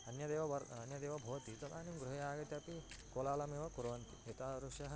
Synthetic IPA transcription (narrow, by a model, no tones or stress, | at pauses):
ɐnjɐd̪eːʋɐɐɾɐnjɐd̪eːʋɐbʱoːɐt̪it̪ɐkaːnimɡɾuɦɐjaːɡɐt̪jɐpikoːlaːlɐmiːʋɐkuɾɐʋɐnt̪iet̪aːɾuʂɐɦɐ